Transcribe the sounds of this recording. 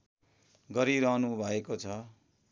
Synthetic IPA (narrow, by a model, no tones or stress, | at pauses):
ɡʌɾiɾʌɦnubʱʌekot͡sʰʌ